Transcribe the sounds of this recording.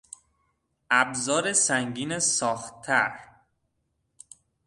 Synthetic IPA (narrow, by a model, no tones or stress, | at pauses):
ʔæbzɒːɾesæŋɡiːnesɒːxt̪ʰːæɾ